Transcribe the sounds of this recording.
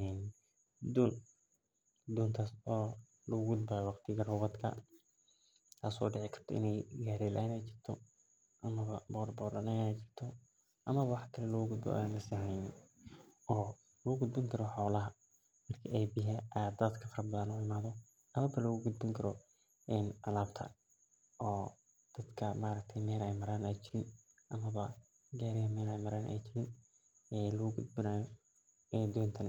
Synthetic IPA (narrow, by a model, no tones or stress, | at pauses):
ɛn | d̪uːn | d̪uːnt̪ʰasɔː | lɐɣʊɡʊd̪̚bɐjwɑqt̪ʰɪɣɐrɔβɐd̪kʰɐ̰ | t̪ʰaːsɔ̰ːɖɪʕɪkʰɐ̥rt̪ʰɔ̰ʔɪ̰nɛjɡaːɾɛlʔa̰ːnɛjt͡ʃɪr̥t̪ʰɔ | ʔɐmɐβɐbɔːrbɔːlɐnɛɛjt͡ʃɪrt̪ʰɔ | ʔɐmɐβɐwɑħkʰɐlɛlɐɣʊɡʊd̪̚bɔ̰ɛːnɐsɐɦɛn | ʔɔː | lɐʊɡʊd̪̚bɪŋkʰɐɾɔħɔːlɐɦɐ | mɐrkʰɐɛjbɪɦɐʔad̪ɐd̪kʰɐfɐrbɐðɐnʊːɪmaːðɔ | ɐmɐbɐlɔɣʊɡʊd̪̚bɪŋkʰɐɾɔ | ɛnʔɐlaːbt̪ʰɐ̰ | ʔɔː | d̪̥ɐd̪kʰɐmaːɾɐk̚t̪ʰɛjmɛːlɛjmɐɾaːnɛjt͡ʃɪɾɪn | ʔɐmɐβɐ | ɡaːɾɪɦɐmɛːlɛjmɐɾaːnʔɛ̰jt͡ʃɪɾɪn | ɛːlɔɡud̪̚bɪnaːjɔ | ɛd̪ɔːnt̪ʰɐn